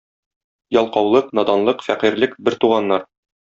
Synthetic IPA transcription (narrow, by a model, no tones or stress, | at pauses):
jɒlˠqɑwlˠɤqnɒd̪ɑnlˠɤqfæqiɾlɘkbɘɾt̪uʁɑnːɑɾ